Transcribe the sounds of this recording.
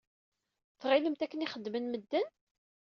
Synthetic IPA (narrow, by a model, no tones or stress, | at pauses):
θʁiləmt̪ækːəniχəd̪ːmənməd̪ːən